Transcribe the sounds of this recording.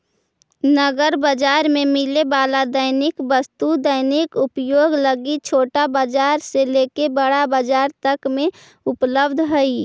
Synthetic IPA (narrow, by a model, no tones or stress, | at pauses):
nəɡəɾbəd͡ʒaːɾmẽmɪlebalad̪əɪnɪkbəst̪ud̪əɪnɪkʊpjoːɡləɡit͡ʃʰoːʈabad͡ʒaːɾselekebəɽabad͡ʒaːɾt̪əkmẽ | ʊpləbd̪ʱɦəi